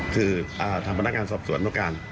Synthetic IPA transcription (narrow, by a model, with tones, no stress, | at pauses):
kʰɯː˧ʔaː˧˩t̪ʰaː˧mpa˧nːa˦˥k̚ŋaː˧nsɔː˨˩p̚su˨˩˦ənːdka˧n